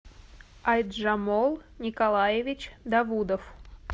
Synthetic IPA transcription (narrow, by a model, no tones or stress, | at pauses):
ɐjd̪ʐamolˠnʲɪkalˠajɪvʲɪt͡ɕd̪ɐvud̪əf